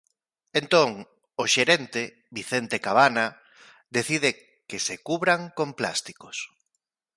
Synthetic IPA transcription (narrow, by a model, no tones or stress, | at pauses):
ent̪oŋ | oʃeɾent̪e | βiθent̪ekaβana | d̪eθiðe | kesekuβɾaŋkompla̰st̪i̥kos